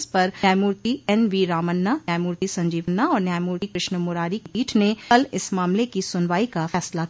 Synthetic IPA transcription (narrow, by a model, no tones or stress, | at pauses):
spɐɾjaːjmuːɾt̪iɛnʋiːɾaːmənːanjaːjmuːɾt̪isɐ̃ɲd͡ʒiːʋənːaɔːɾnjaːjmuːɾt̪ikɾɪʃnəmʊɾaːɾikiːʈʰneɐlɪsmaːmlekisʊnʋaːikafɛːsla